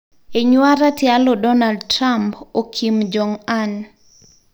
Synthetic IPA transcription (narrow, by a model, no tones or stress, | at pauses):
eɲwaɾatjalɔdɔnaldtɾampokʰimd͡ʒɔŋan